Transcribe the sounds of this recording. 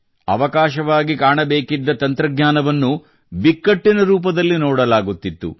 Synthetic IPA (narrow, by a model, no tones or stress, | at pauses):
ɐ̰ʋɐkaːʃɐʋaːɡikaːɳɐbe̞ːkid̪ːɐt̪ɐnt̪ɾɐɡɲaːnɐʋɐnːu | bikːɐʈːinɐɾuːp̬ɐd̪ɐlːinɔːɽɐlaːɡut̪ːit̪ːṵ